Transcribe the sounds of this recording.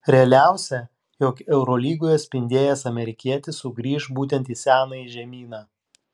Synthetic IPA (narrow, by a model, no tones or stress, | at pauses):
ɾʲɛɐlʲæˑʊsʲɛ | joːkɛʊɾɔːlʲiːɡoːjɐt̪ʲsʲpʲɪnʲd̪ʲeːjɛsɐmʲɛɾʲɪkʲiɛt̪ʲɪsʊɡɾʲiːʃbuːt̪ʲɛnt̪ʲisʲæːnɐiʒʲɛmʲiːnɑː